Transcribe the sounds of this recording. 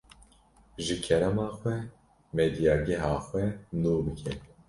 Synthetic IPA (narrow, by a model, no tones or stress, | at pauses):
ʒɨkʰɛɾɛmɑːxwʷɛ | med̪ijɑːɡɛɦɑːxʷwɛnuːbɨkʰɛ